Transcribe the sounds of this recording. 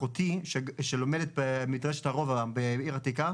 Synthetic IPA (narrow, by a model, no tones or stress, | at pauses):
ot̪iʃeʃelo̞medet̪̚bemidʁeʃethaʁo̞vaabeiʁatika